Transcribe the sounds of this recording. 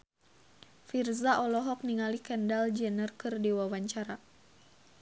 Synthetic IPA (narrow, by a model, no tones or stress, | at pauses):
firzaʔɔlɔɦɔk̚niŋalikɛndald͡ʒɛnərkɨrdiwawaɲt͡ʃaɾa